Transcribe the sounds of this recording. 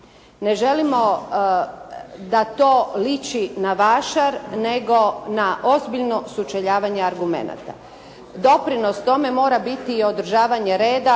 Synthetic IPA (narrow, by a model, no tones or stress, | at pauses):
ne̞ʒe̞limo̞ | d̪at̪o̞ːlit͡ʃinaʋaʃaɾne̞ɡo̞naʔo̞zbiʎno̞sut͡ʃeʎaːʋaɲe̞aɾɡume̞̰na̰t̪a̰ | d̪o̞pɾino̞st̪o̞me̞mo̞ːɾabit̪iːo̞d̪ɾ̩ʒaːʋaɲe̞ɾe̞ːd̪a